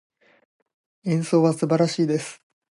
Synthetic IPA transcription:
ẽ̞ɰ̃so̞ːβasɨbaɾaɕiːd̪e̞sɨ̥

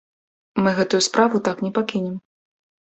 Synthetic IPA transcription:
mɨɣɛt̪ujuspɾʔavut̪aknʲɛpakʲinʲɛm

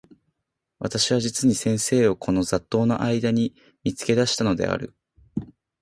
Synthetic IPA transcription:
βat̪aɕiβ̞aʑit͡sɨɲ̟isẽ̞ɰ̃se̞ːo̞kʰo̞no̞zat̪ːo̞ːno̞̰ʔaid̪aɲ̟i | mʲit͡sɨ̥ke̞d̪aɕi̥t̪ano̞d̪e̞̰a̰ɾɯ̟

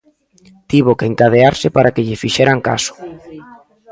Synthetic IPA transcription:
t̪iβ̞okeŋkað̞eaɾsɪpaɾakeʎɪfiʃeɾaŋka̰sʊ̥

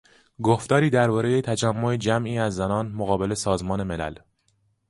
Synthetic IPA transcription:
ɡoft̪ɒːɾiːd̪æɾbɒːɾe̞jet̪ʰæd͡ʒæmːo̞ed͡ʒæmʔiːæzːænɒːnmoɣɒːbe̞le̞sɒːzmɒːne̞melæ̰l

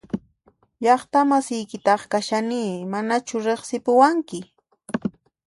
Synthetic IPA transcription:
ʎɑχt̪amasɪjkɪt̪ɑχkaʃaniːmanat͡ʃʊɾeχsɪpʊwaŋkɪ

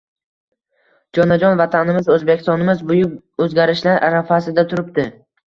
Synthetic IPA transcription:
d͡ʒɒnad͡ʒɒnvat̪ʰanɪmɪzɵzbekʲɪ̥st̪ɒnɪmɪzbʊjʊk | ɵzɡʲaɾɪʃlaɾʔa̰ɾafasɪd̪at̪ʰʊɾɪp̚t̪ɪ

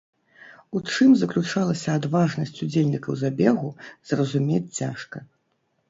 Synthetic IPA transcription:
ut͡ʂɨmzɐklʲut͡ʂalˠɐsʲɐad̪vaʐnɐsʲt͡sʲud͡zʲelʲnʲikɐwzabʲɛɣuzrɐzumʲet͡sʲt͡sʲaʂkɐ

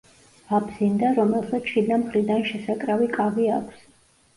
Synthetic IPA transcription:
abzind̪aɾɔmɛlˠsat̪sʃid̪amχɾid̪anʃɛsakʼɾavikʼavia̰kʷʰs

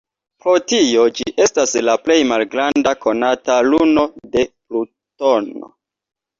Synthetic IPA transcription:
pɾo̞tio̞d͡ʒiʔe̞staslaple̞jmalɡɾandako̞nataluno̞de̞plu | to̞no̰

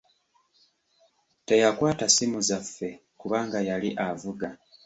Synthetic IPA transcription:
te̞jakwaːtasimuzafːe̞ | kuβaːŋɡajaliʔavuɡa

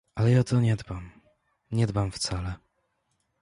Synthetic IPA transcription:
alɛjaɔt̪ɔɲɛd̪bam | ɲɛd̪bamft̪salɛ

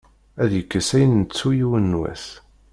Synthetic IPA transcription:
æðjəkːəsæjənːət͡sːujiwənːwæ̰θ

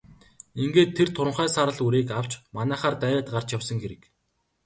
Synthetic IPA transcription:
iŋɡeːt̪ʰːert̪ʰʊɾə̆ɴχæːsaɾə̆ɮuɾeːkaw̥t͡ɕmanæːχaːrt̪æːjaːt̪ɢar̥t͡ɕjawsə̆ŋɡeɾɘ̆k

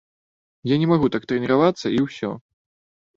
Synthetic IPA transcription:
janʲɛmaɣut̪ak̚t̪ɾɛnʲɛɾavat̪sːɐiwsʲɔ̰

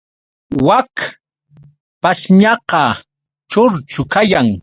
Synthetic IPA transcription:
wak | paʃɲɑqɑ | t͡ʃoɾt͡ʃʊkajaŋ

